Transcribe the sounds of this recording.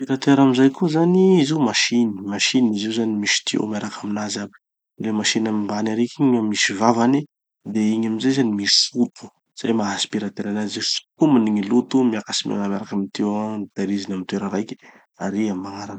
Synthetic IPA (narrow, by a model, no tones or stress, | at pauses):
piɾat̪eɾamizajkuzaniiziumaʃinimaʃiniziuzanimisi̥t̪ʰio̰wmiaɾakaminazabi̥ | lemaʃinamimbanaɾekiɲamisivavani | d̪eiɲamizajzanimisut̪ʰu̥ | z̥ajmaɦasi̥piɾat̪eɾanazesu̥kuminiŋilut̪umiakasima̰ŋamaɾakamit̪ewat̪aɾizinamit̪weɾaɾajkʲi̥ | aɾiamaŋaɾan